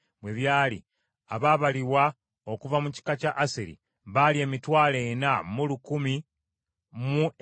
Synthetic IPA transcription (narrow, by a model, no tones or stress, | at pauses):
bwe̞βjaːlḭ | aβaːβaliwa | okuvamuci̥kacaʔːseɾḭ | βalie̞ːmitwaːlenamulukumi | mu